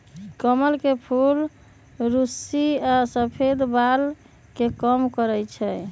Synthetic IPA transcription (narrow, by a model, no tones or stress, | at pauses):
kəməlkepʰul | ɾusiasəpʰed̪bal | kekəmkəɾɛjt͡ʃʰɛ